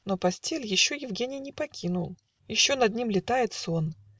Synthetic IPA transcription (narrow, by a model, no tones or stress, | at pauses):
no̞pɐsʲtʲelʲjɪɕːo̞jɪvɡʲenʲɪjnʲɪpɐkʲinʊlˠ | jɪɕːonɐd̪̚nʲimlʲɪt̪ajɪt̪son